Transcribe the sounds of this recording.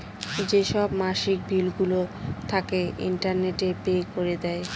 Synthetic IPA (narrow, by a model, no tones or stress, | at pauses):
d͡ʑeʃɔbmaʃik̚bʱilɡulot̪ʰakeḭɳʈaɾneʈepekoɾed̪ɛe